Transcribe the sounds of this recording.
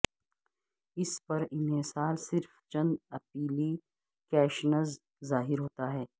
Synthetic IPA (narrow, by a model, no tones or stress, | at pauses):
ɪspɐɾɪnɦesaːlsɪɾft͡ʃɐ̃nd̪ɐpiːli | kɛːʃnəzː | aːɦɪɾɦoːt̪aɦɛː